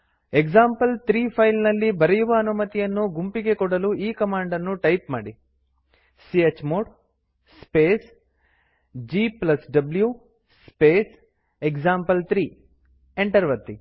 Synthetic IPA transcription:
eksaːmpɐlt̪ɾiːpʰɐjlnɐlːibɐɾɛjuʋɐːnumɐt̪ijɐnːuɡumpiɡe̞kɔɽɐluʔiːkɐmaːɳɖɐnːuʈɐjpmaːɽi | siet͡ʃːmoːɽ | speːs | d͡ʒiːplɐsɖɐblju | speːs | ekd͡ʒaːmpɐlt̪ɾiː | eɳʈɐɾʋɐt̪ːi

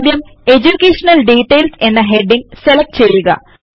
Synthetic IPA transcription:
d̪jɐme̞d͡ʑukːeːʂɐnɐlɖiːʈːejlsenːɐɦeɖiŋɡselɐk̚ʈt͡ɕejːuɣɐ̰

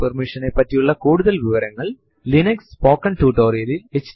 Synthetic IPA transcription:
pɐrmiʂɐnepːɐtːijuɭːɐkuːɽuðɐlʋiʋɐɾɐŋːɐɭ | linɐkspoːkːɐnʈuːʈoːrijɐɾilet͡ɕː

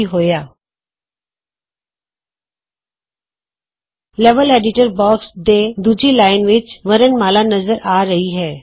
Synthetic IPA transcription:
iɦoːjaː | lɛːʋəleːɖɪʈəɾbɔːksd̪eːd̪uːd͡ʒilaːɪnʋɪt͡ʃʋɐɾənmaːlanɐzəɾʔaːɾɐɦiɦɛː

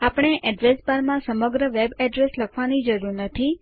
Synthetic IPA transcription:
apɽ̃eʔɛɖʋesbaɾmãsəməɡɾəʋebɛɖɾesləkʰʋanid͡ʒəɾuɾnət̪ʰi

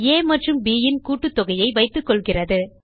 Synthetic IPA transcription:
eːmɐʈrɯmbiːjɪnkuːʈːɯt̪ːɔɣɐjɐɪʋɐɪt̪ːɯkːɔɭɣɪrɐðɯ

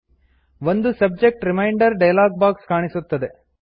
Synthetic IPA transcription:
ʋond̪usɐb̚d͡ʒek̚ʈɾimɐjɳɖɐɾɖɐjɐlaːɡ̚baːkskaːɳisut̪ːɐd̪e̞

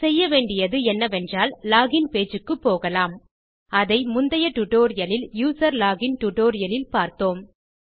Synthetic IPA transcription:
sɛjːɐʋeːɳɖɪjɐðɯɛnːɐʋɛndraːllaːɣɪnpeːd͡ʒɯkːɯpːoːɣɐlaːm | ɐðɐɪmʊnd̪ɐjɐʈʊʈoːɾɪjɐlɪljuːsɐɾlaːɣɪnʈʊʈoːɾɪjɐlɪlpaːɾt̪oːm

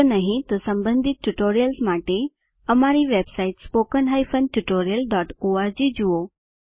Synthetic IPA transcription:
naɦĩt̪ɔsə̃mbənd̪ʱit̪̚ʈuʈoːɾijəlsmaʈe | əmaɾiʋebsaiʈspokənɦajfʰənʈuʈoːɾijəlɖɔːʈoaɾd͡ʑid͡ʑuo

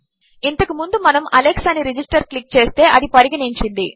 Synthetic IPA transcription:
int̪ɐkumund̪umɐnɐmʔɐleksɐnːiɾid͡ʒisʈɐɾklik̚t͡ʃe̞ːst̪e̞ːʔɐðipɐɾiɡɐɳiɲt͡ʃind̪i

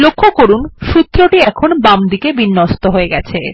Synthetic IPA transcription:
lokʰːokoɾunʃut̪ːɾoʈiɛkʰonbamd̪ikebinːost̪oɦoeɡɛt͡ɕʰe

